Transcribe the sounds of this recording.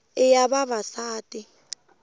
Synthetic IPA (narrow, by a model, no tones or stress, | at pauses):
ɪjaɓaβasaːtʼi